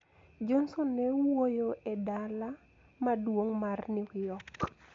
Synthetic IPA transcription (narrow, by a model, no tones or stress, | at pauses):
d͡ʒɔnsonːɛwojoʔedala | madwoŋmarnɪwjɔk